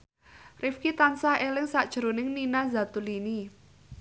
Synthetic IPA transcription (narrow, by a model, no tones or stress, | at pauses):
rʔɪfkit̪ansahelɪŋsaʔd̥ʒ̥əɾonɪŋninazat̪ulini